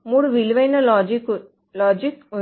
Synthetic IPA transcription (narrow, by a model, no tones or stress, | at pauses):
muːɽuʋiliʋɐjnɐld͡ʒik | lɔːd͡ʒiku